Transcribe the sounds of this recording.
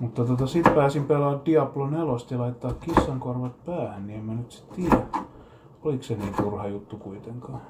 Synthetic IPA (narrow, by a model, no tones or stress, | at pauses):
mut̪ːɑt̪ot̪ɑsit̪pæːsimpelɑːddiɑplonelost̪jɑlɑit̪ːɑːkkisːɑŋkorʋɑt̪̚pæːhænniemmænyt̪si̥t̪t̪iːjæ | olikseniːnt̪urhɑjut̪ːukuit̪eŋkɑː